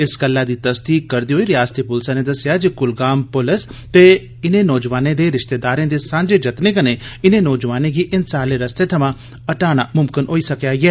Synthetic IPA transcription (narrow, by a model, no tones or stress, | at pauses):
ɪskəlːaːd̪iːt̪əst̪iːkəɾd̪iːɦoːiːɾɪjaːst̪iːpʊlsãːneːd̪əsɪjaːd͡ʒikʊlɡaːmpʊləst̪eː | ɪnẽːnɔːd͡ʒʋaːnẽːd̪eːɾɪʃt̪eːd̪aːɾãːd̪eːsãːnd͡ʒeːd͡ʒət̪neːkəneːɪnẽːnɔːd͡ʒʋaːnẽːɡiːʔɪnsaːleːɾəst̪eːt̪ʰəmãː | əʈaːɽ̃aːmʊmkɪnɦoːiːsəkjaːɡɛː